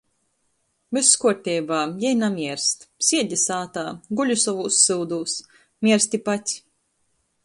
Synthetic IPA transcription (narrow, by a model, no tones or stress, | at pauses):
mɨsːkuɔɾt̪ʲɛjbaːjɛjnamʲiɛɾst̪sʲiɛd̪ʲisaːt̪aːɡulʲusɔvuːsːɨwd̪uːs | mʲiɛɾst̪ʲipat̪ʲ